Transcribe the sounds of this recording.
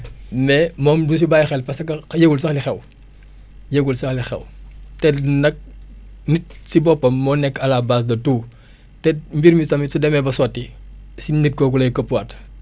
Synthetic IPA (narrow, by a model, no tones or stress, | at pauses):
mɛmɔːmdus̬ibaːjxɛlpɐsɐkɐjeɡulsɐxlixɛw | jeɡulsɐxlixɛ̰wtɛnɐk̚ | nit̚sibɔpːɐmːɔːnɛkːɐlabaːs̬dɐtuː | tɛmbiɾmisɐmisudɛmɛbɐsɔtːisinit̚kɔkulɐjkəpːwat